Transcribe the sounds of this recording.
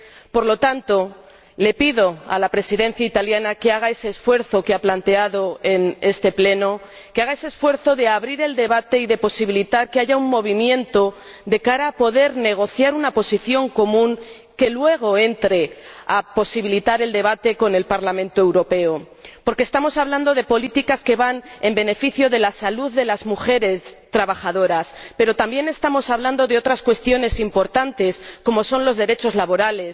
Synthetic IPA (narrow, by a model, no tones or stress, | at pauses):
po̞ɾlo̞t̪ant̪o̞ | le̞piðo̞a̰lapɾe̞siðe̞n̟θjait̪aljanake̞aɣ̞ae̞se̞ːsfwe̞ɾθo̞keaplant̪e̞aðo̞e̞ne̞st̪e̞ple̞no̞ | keaɣae̞seːsfwe̞ɾθo̞ðe̞aβɾiɾe̞ld̪e̞β̞at̪e̞iðe̞po̞siβilit̪aɾke̞aʝauŋmo̞β̞imjẽ̞nt̪o̞ | d̪e̞kaɾaːpo̞ðe̞ɾne̞ɣ̞o̞θjaɾunapo̞siθjo̞ŋko̞mũŋ | ke̞lwe̞ɣ̞o̞e̞nt̪ɾe̞apo̞siβilit̪aɾe̞ld̪e̞β̞at̪e̞ko̞ne̞lpaɾlamẽnt̪oewɾo̞pe̞o | po̞ɾkeːst̪amo̞saβland̪o̞ðe̞po̞lit̪ikaske̞βane̞mbe̞ne̞fiθjo̞ðe̞lasaluððːe̞lazmuxe̞ɾe̞st̪ɾaβaxaðo̞ɾaspe̞ɾo̞t̪ambje̞ne̞st̪amo̞saβland̪o̞ðeo̞t̪ɾaskwe̞st̪jo̞ne̞simpo̞ɾt̪ant̪e̞sko̞mo̞so̞nlo̞zðe̞ɾe̞t͡ʃo̞zlaβo̞ɾale̞s